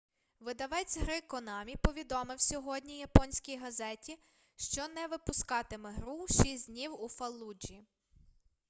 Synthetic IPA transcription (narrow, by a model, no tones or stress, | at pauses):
ʋɪd̪ɐʋɛt͡sʲɦɾɪkɔnɑmʲipɔʋʲid̪ɔmɪwsʲɔɦɔd̪ʲnʲijɐpɔnʲsʲkʲijɦɐzɛtʲi | ʃt͡ʃɔnɛʋɪpʊskɑt̪ɪmɛɦɾuʃisʲd̪ʲnʲiwufɐlˠːud͡ʒi